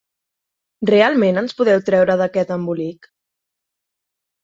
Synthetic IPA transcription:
realˠmenənspuðɛwt̪ɾɛwɾəðəkɛt̪əmbulik

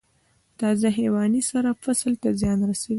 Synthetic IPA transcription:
t̪ɑzaɦewɑnisaɾafaslt̪azjɑnɾasawi

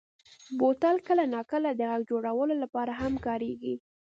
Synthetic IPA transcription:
bot̪ɑlkəlanɑkəlad̪əɣaɡ̚d͡ʒoɽawəlolapɑɾaɦamkɑɾeɡi

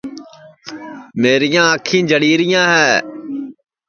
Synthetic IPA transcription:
meːɾɪjãːəkʰĩːd͡ʒəɽiːɾɪjãːɦɛː

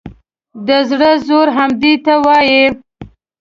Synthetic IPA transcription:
d̪əzɽəzoɾɦamd̪it̪awɑji

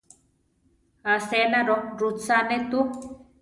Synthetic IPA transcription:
asenaɾoɾut͡sanet̪u

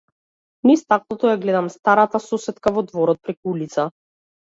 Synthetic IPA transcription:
nɛst̪ak̚nˠɔt̪ɔjaɡlɛd̪amst̪aɾat̪asɔsɛt̪kavɔd̪vɔɾɔt̪̚pɾɛkuulit̪sa

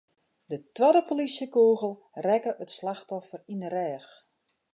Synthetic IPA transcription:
dətwɔdəpolisjəkuːɣəl̩ˠ | rɛkəʔətslaxtɔfərinərɛːx

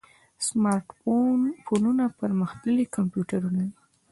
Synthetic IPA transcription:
smɑɾʈ | fonunapəɾməxd̪əlikampjuʈaɾunadi

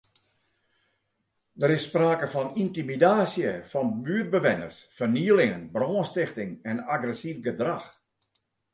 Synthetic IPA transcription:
dəɾɪsːpraːkəfɔnintimidaːsjəfɔnbyːər̚bəʋɪnə̰rsfərniːəlɪŋənbrɔːnstɪxtɪŋɛnaɡrɛsifɡədrax

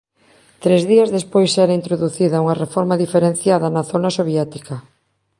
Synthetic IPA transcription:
t̪ɾezðiɐzðespojsɛɾaint̪ɾoðuθiðɐuŋɐrefɔɾmaðifeɾẽn̟θjaðɐnɐθonɐsoβjɛt̪ikɐ

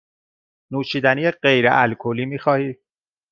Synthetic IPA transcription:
nuːʃiːd̪ænijeɢejɾḛʔælkʰoliːmiːxɒːhiːd̪

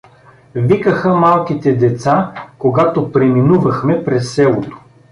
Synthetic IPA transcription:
vikəxəmalˠkit̪ɛd̪ɛt̪sakoɡat̪opɾɛminuvɐxmɛpɾɛsːɛlˠot̪o̥

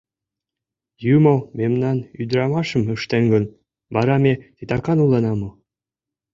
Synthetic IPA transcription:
jumɤ̆memnɑnyd̪ɾɑmɑʃɤ̆mə̆ʃt̪enɡɤ̆n | bɑɾɑmʲet̪it̪ɑkɑnulˠːɑnɑmɤ̆

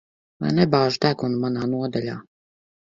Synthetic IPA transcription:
va̰jnɛbaːʒut̪ækunumanaːnuɔd̪alʲa̰ː

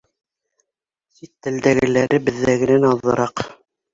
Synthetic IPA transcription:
sit̪ːɘ̆ld̪æɡɘ̆læɾɘbɘ̆ðːæɡɘ̆nænɑðːɤ̆ɾɑq

